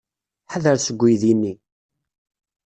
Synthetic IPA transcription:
ħaðəɾsəɡʷːijðinːi

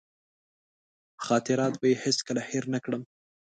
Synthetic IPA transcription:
xɑt̪ɪɾɑt̪̚bajeheskəlaheɾnakɽəm

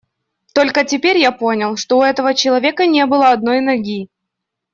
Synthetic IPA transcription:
t̪o̞lʲkətʲɪpʲeɾʲjapo̞nʲɪlˠʂt̪o̞ʊɛt̪əvət͡ɕɪlˠɐvʲekənʲe̞bɨlˠəɐd̪̚no̞jnɐɡʲi

